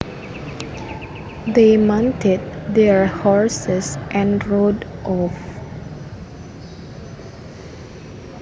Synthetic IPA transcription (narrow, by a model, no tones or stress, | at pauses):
demãntʰɛd̚dɛɹhɔɹsɛsʔɛ̃nɹodʔɔf